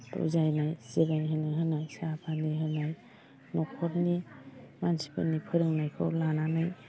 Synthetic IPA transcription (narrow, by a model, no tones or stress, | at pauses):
tṵzajnajsiɾaniɦɯnajɦɯnajsapʰaniɦɯnaj | nɔkʰɔɾnimansi̥pʰa̰nːipʰɯɾɯŋnajkʰɯ̰wlananɯj